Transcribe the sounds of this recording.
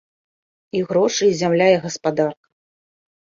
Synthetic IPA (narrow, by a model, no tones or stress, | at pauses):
iɣɾɔʂɨzʲamlʲajɛɣɐspad̪arkɐ